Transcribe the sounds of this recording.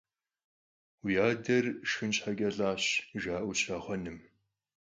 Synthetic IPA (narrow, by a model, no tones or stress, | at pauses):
wjaːdɐrʃɨnɕħaɡʲɐɮaːɕʒaːʔʷʊɕaːχʷɔnɨm